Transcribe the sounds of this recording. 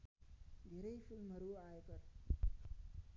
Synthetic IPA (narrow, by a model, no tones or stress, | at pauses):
ɡ̪ʱeɾəifilmɦəɾuːaekəɾ